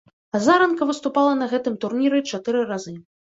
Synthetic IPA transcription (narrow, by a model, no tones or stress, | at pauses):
azaɾɐnkɐvɨst̪upalˠɐnɐɣɛt̪ɨmt̪urnʲiɾɨt͡ʂat̪ɨɾɨɾazɨ